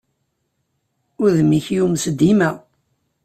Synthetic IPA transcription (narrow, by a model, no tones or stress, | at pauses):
ʊɾðmiçjumsəd̪ːimæ